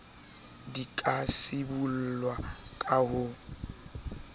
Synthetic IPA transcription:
dikʼasɪbul̩lwakʼahʊ

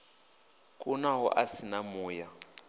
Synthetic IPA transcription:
kʼunaɦɔ̰ʔasinamuːja

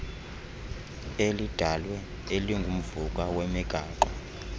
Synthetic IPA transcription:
elid̥ʱalwɛ | eliŋɡʱum̩vukʼawɛmɛɡ̥ʱaːǃɔ

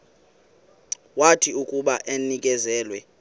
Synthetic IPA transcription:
watʰiukʼuɓaʔenik̬ʼɛzɛːlwɛ

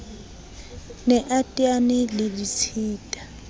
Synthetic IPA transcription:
nɛʔatʼianɪlɪlit͡sʰiːtʼa

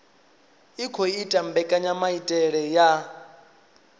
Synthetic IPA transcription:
ikʰɔitʼambɛkʼaɲamaitʼɛɺɛja

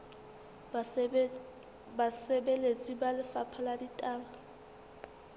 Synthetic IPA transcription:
basɛbelet͡sʼibalɪfapʰaladitʼaːba

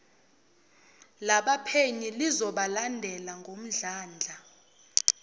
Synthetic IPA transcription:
laɓapʰeɲilizɔɓalandʱɛlaŋɡʱom̩ɮaːnd͡ɮʱa

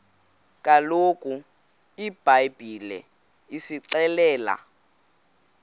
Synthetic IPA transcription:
kʼalokʼu | ib̥ʱajb̥ʱilɛ̰ | isiǀɛlɛːla̰

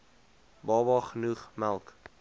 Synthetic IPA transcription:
bɑːbɑχənuχmælˠk

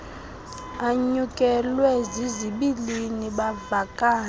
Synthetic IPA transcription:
aɲukʼɛlwɛziziɓiliniɓavakʼaː

